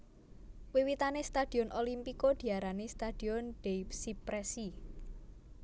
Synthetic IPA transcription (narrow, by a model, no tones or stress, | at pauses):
wiwit̪anest̪ad̪̥i̤ɔnʔolimpikod̪̥i̤aɾanest̪ad̥i̤ɔnɖ̥epsipɾɛsi